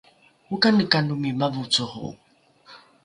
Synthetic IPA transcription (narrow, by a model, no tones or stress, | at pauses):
ukanəkanumimavut͡suhṵ